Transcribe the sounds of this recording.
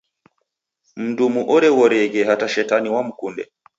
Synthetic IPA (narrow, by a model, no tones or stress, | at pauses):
m̩dumuʔɔɾɛwɔɾɛɡɛhataʃɛtaniwamukundɛ̰